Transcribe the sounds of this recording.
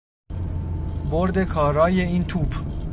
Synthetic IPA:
boɾd̪e̞kʰɒːɾɒːje̞iːnt̪ʰuːb

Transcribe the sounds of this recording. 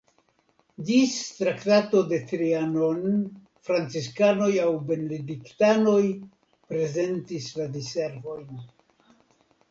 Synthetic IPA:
d͡ʒist̪ɾaktato̞de̞tɾiano̞n | fɾant͡siskano̞jawbe̞nediktano̞j | pɾe̞ze̞ntisladise̞ɾvo̞jn

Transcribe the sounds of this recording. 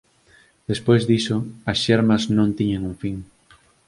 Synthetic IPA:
d̪̥espojzðisoɐsʃeɾmɐznõnt̪iɲeŋuŋfiŋ

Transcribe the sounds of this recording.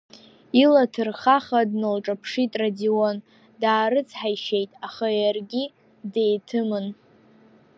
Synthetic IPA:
ilatʰɨrχaχadnɨlʈ͡ʂʼapʰʂitʼradion | daːɾɨt͡sʰħajʃejtʼaχajarɡʲi | dejtʰɨmɨn

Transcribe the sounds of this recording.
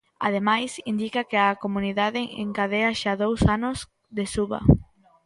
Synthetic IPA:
a̰ð̞emajsind̪ikɐkɪɐkomuniðaðɪḛŋkaðeɐʃaðowsanʊz | ðesuβɐ̰

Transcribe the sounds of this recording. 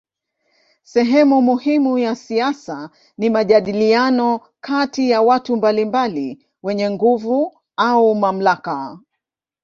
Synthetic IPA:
sɛɦɛmumuhimujasiasa | nimaʄaɗilianɔ | kʰatijawatumbalimbali | wɛɲɛŋɡuvu | aumam̩laka

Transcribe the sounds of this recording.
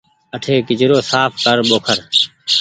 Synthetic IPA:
əʈʰeːkɪd͡ʒɾoːsaːpʰkəɾɓoːkʰəɾ

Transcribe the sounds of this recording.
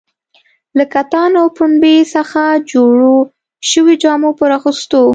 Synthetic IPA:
lakat̪ɑnawpʊnbesəxad͡ʒoɽo | ʃəwed͡ʒɑmopəɾɑxust̪o

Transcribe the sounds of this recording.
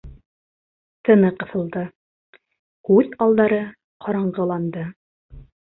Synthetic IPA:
t̪ɤ̆nɤqɤ̆θɤ̆lˠd̪ɤ | kʉðɑlˠd̪ɑɾɤ | qʰɑɾɑɴʁɤ̆lˠɑnd̪ɤ

